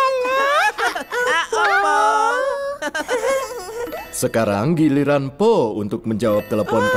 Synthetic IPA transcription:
səkaɾaŋɡiliɾanpɔunt̪ʊk̚məɲd͡ʒawap̚t̪eləpɔnt̪

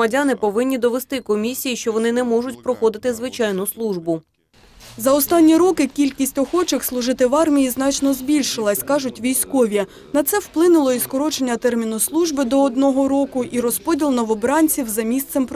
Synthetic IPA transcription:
ɐdʲanɪpɔʋɪnʲːid̪ɔʋest̪ɪkɔmʲisʲijiʃt͡ʃɔʋɔnɪnɛmɔʒʊtʲpɾɔxɔd̪ɪt̪ɪzʋɪt͡ʃɑjnʊslˠuʒbʊ | zɐɔst̪ɑnʲːiɾɔkɪkʲilʲkʲisʲtʲɔxɔt͡ʃɪxslˠʊʒɪt̪ɪʋɑrmʲijiznɑt͡ʃnɔzbʲilʲʃɪlˠɐsʲkɑʒʊtʲʋʲijsʲkɔʋʲjɐ | nɐt̪sɛwplˠɪnʊlˠɔiskɔɾɔt͡ʃenʲːɐt̪ɛrmʲinʊslˠuʒbɪd̪ɔːd̪nɔɦɔɾɔkʊʔiɾɔspɔdʲilˠnɔʋɔbɾɑnʲt͡sʲiwzɐmʲist̪sɛmp

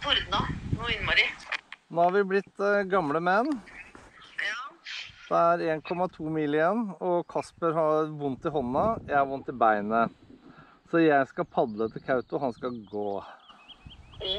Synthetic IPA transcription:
fɔɾd̪ɑnoɪnːmoɖɪnoːhɑɾʋɪblɪt̪ːɡɑmləmɛnː | d̪̥ɛæɾeːnkʰɔmɑt̪ʰuːmiːlɪjɛnːɔkʰɑspəɾhɑɾʋʊnt̪ɪɦɔnːɑjæɪhɑɾʋʊnt̪ːɪbæɪnə | sɔjæɪskɑpʰɑd̪lət̪ʰɪlkʰɑʉt̪ʊɦɑnskɑɡoː

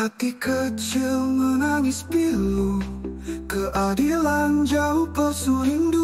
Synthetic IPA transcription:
at̪ikət͡ʃɪlmənaŋɪspilu | kəʔadiland͡ʒaupəsuliŋdu

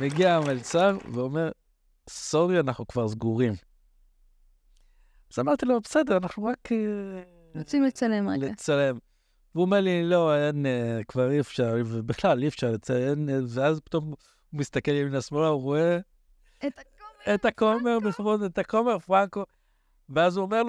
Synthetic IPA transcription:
meɡiamalt͡saʁveome̞ʁ | so̞ʁianaχnukvaʁzɡuʁim | zamaʁt̪ilobese̞d̪eʁanaχnuʁak | ʁot͡simlet͡salemlet͡sale̞m | veuomeʁlilo̞enekvaʁifʃaʁvebiχlalifʃaʁlet͡seenveazpi̥t̪o̞m | umist̪akeliminasmolauʁoe | et̪akome̞ʁbefʁodet̪akome̞ʁfʁaŋko̞ | veazuome̞ʁlo

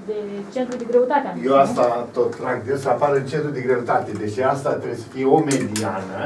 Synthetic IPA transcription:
d̪et͡ʃent̪ɾud̪eɡɾeut̪at̪eajoast̪at̪ot̪ɾaɡ̚d̪esəapaɾɨnt͡ʃent̪ɾud̪eɡɾe̞ut̪at̪ed̪et͡ʃeast̪at̪ɾesə̥fiomed̪ianə

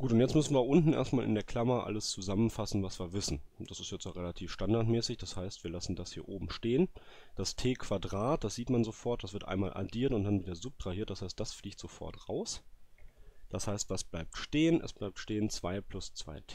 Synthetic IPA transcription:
ɡ̥uːtʊntjɛt͡smʏsn̩viːɐʔʊntn̩ḛːɐstmaːlʔɪ̰ndeːɐkʰl̥amɐʔa̰ləst͡suzamənfasn̩vasv̥iːɐvɪsn̩d̥asɪ̥stjɛt͡stjaːʁelatʰiːfʃtandaɐtmɛːsɪçd̥ashaɪstv̥iːɐlasn̩dashiːɐʔoːbm̩ʃteːən | d̥astʰeːkʰv̥adʁaːt̚d̥asz̥iːtmanzofɔɐt̚d̥asv̥ɪɐtʔa̰ɪnmaːlʔa̰diːɐtʊnt̚d̥anviːdɐzʊp̚d̥ʁ̥ahiɐt̚d̥ashaɪstd̥asfliːçtz̥ofɔ̰ɐtʁa̰ʊs | d̥ashaɪstv̥asb̥laɪp̚tʃteːənɛ̰sb̥laɪp̚tʃteːənt͡sv̥aɪpʰl̥ʊst͡sv̥a̰ɪtʰː

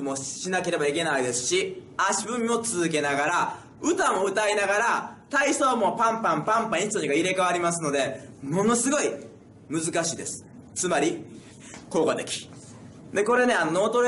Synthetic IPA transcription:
moɕinake̞ɾe̞baike̞naid̪e̞sɨ̥ɕiaɕibɯ̟̃mʲmo̞t͡sɨzɨke̞naɡaɾa | ɯ̟t̪amo̞ɯ̟t̪ainaɡaɾat̪aisoːmo̞pãmpãmpãmpãĩst̪ɲiɡaiɾe̞kaβ̞aɾʲimasɨno̞d̪e̞mo̞no̞sɨɡo̞i | mɯ̟zɨkaɕiːd̪esɨ̥ | t͡sɨmaɾʲi | ko̞ːkot̪e̞kʲi̥ | d̪e̞ko̞ɾe̞ne̞anonoːt̪oɾ

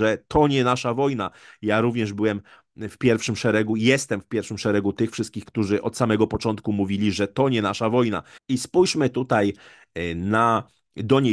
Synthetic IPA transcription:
ɛt̪ʰɔɲɛnaʂavɔjnajaɾuvɲɛʐbɘwɛm | fpʲjɛɾfʂɘmʂɛɾɛɡujɛst̪ɛmfpʲjɛɾfʂɘmʂɛɾɛɡut̪ɘxfʂɘst̪kʲixkt̪uʐɘʔɔt̪samɛɡɔpɔt͡ʂɔnt̪̚kumuvʲilʲiʐɛt̪ɔɲɛnaʂavɔjna̰ispujʂmɘt̪ut̪aj | na | d̪ɔɲe

